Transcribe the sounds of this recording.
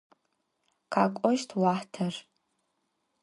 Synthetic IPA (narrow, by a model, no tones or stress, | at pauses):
kʰakʷʼɔʃtʰwaħtʰɐr